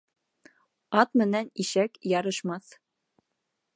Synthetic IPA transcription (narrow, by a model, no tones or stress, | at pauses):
ɑt̪mɘ̆næniʃækjɑɾɤ̆ʃmɑθ